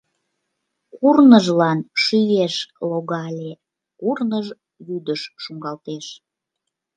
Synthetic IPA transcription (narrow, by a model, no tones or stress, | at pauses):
kurnəʒlɑnʃyjeʃloɣɑlʲe | kurnəʒ | βyd̪əʃːuŋɡɑlt̪eʃ